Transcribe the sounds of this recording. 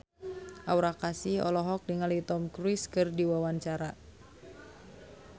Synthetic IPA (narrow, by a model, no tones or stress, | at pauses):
ʔawɾakasiɔ̰lɔɦɔk̚dəŋalit̪ɔmkɾiskɨrdiwawaɲt͡ʃaɾa